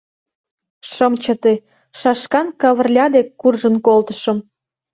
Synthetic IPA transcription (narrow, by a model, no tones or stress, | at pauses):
ʃə̆mt͡ɕə̆t̪e | ʃɑʃkɑnkɑβə̆rlʲɑd̪ekːurʒə̆nkolt̪ə̥̆ʃə̆m